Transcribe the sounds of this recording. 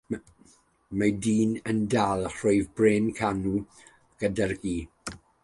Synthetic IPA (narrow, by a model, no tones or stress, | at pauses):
madiːnəndalˠr̥ojvbreːnkʰanu | ɡ̥ədarɡiː